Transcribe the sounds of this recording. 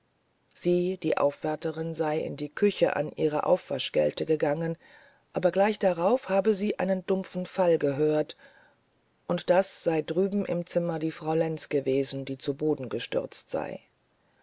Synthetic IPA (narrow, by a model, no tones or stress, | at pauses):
z̥iːd̥iːʔa̰ʊfv̥ɛɐtəʁɪnzaɪɪ̰ndiːkʰʏçəʔa̰nʔḭːʁə̰ʔa̰ʊfv̥a̰ʃɡ̥ɛ̰ltəɡəɡaŋən | ʔaːbɐɡlaɪçd̥aʁaʊfhaːbəziːʔa̰ɪnəndʊmfn̩falɡəɦøːɐt | ʔʊntd̥asz̥aɪdʁyːbm̩ʔɪ̰mt͡sɪmɐdiːfʁ̥aʊlɛnt͡sɡ̥əveːzn̩diːt͡suboːdn̩ɡəʃtʏ̰ʁt͡stz̥a̰ɪ